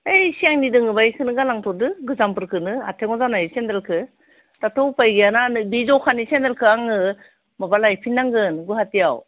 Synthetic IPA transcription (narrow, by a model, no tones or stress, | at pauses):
ejsijaŋnidɯŋɯbajkʰɯnɯɡalaŋtʰɔdɯɡɯzampɯɾkʰɯnɯa̰tʰeŋɔzanajsendalkʰɯ | tatʰɔwpajɡijananɯbizɔwkʰanisendalkʰɯaŋɯ | mabalajpʰinːaŋɡɯnɡɯɦatijaw